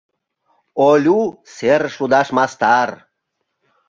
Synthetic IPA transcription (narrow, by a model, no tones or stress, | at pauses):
olʲuseɾʃud̪aʃmast̪aɾ